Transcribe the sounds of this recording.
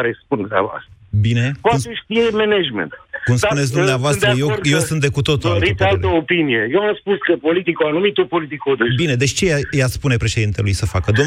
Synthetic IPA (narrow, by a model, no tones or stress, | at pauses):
ɾespund̪ua̰voa̰st̪bine̞poaumseʃt̪ijemened͡ʒmḛ̃nt̪kumspunes̬ʲd̪umneavoast̪ɾəjewjewsɨnt̪d̪e̞kut̪o̞t̪ualɾit̪alt̪əopinijejewamspuskəpo̞lit̪ikoanumit̪opo̞lit̪ikod̪ebine̞d̪et͡ʃʲt͡ʃe̞jajaspune̞pɾe̞ʃe̞d̪int̪elujsəfakəd̪o